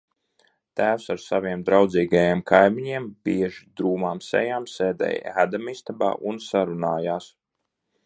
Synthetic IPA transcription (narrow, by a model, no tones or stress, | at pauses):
t̪æːwsaɾsaviɛmd̪ɾawd̪ziːɡajeːmkʰajmiɲiɛmbiɛʒid̪ɾuːmaːmsɛ̰jaːmseːd̪ɛ̰jæd̪amist̪aba̰ːʔunsaɾunaːjaːs